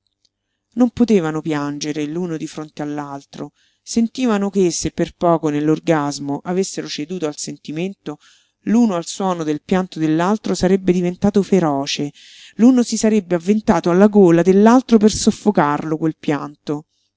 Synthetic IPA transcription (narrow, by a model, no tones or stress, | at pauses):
nompot̪eːvanopjand͡ʒeɾeluːnod̪ifɾont̪ealːalt̪ɾo | sent̪iːvanokesepːerpɔːkonelːorɡazmoʔavesːeɾot͡ʃed̪uːt̪oalsent̪iment̪o | luːnoalswɔːnod̪elpjant̪od̪elːalt̪ɾosaɾebːed̪ivent̪aːt̪ofeɾɔːt͡ʃe | luːnosisaɾebːeavːent̪aːt̪oalːaɡoːlad̪elːalt̪ɾop̬ersofːokarlokwelpjant̪o